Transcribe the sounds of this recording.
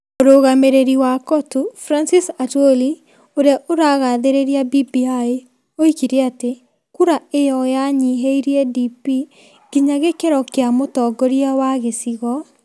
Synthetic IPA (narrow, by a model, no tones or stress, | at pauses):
oɾoɣameɾeɾiwakɔtufɾansisatwoli | oɾaʔoɾaɣaðeɾeɾiabibiae | oikiɾeate | kuɾaejɔjaɲiɦeiɾiɛdipi | ɡ̥iɲaɣekeɾɔkeamotɔɡɔɾiawaɣesiɣɔ